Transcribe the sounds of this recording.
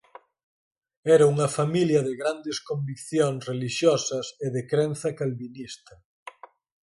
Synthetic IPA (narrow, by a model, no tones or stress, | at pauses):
ɛɾɐuŋɐfamiljɐðɪɣɾand̪eskombikθjoŋsreliʃjɔsɐseðekɾɛnθɐkalβinist̪ɐ